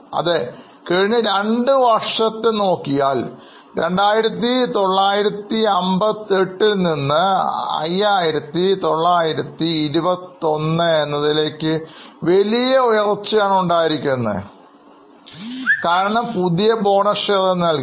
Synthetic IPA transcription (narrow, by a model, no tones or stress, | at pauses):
ɐ̰ðe | keɻiɲːɐɾe̞ɳɖɨʋɐrʂɐt̪ːɨno̞ːkːijaːl | ɾe̞̰ɳɖaːjiɾɐt̪ːit̪o̞ɭːaːjiɾɐt̪ːiɐmbɐt̪ːeʈːilninːɨɐ̰jːaːjiɾɐt̪ːit̪o̞ɭːaːjiɾɐt̪ːiːɾubɐt̪ːio̞nːɨenːɐðile̞ːkːɨʋelijɐujɐrt͡ɕːɐjaːɳuɳɖaːjiɾikʲːunːɐð | kaːɾɐɳɐmpuðijɐbo̞ːɳɐʂɐðɐnɐlk